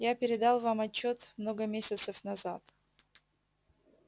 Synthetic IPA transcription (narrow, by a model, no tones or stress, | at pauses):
japʲɪɾʲɪd̪alˠvamɐt͡ɕːot̪mnoɡəmʲesʲɪt̪səfnɐzat̪